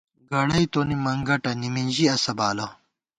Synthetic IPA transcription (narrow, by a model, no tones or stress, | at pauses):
ɡɐɽɐjt̪onimɐŋɡɐʈɐnimind͡ʑiɐsɐbaːlo